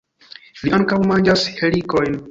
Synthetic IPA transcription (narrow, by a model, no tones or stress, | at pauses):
liʔaŋkawmand͡ʒashelikojn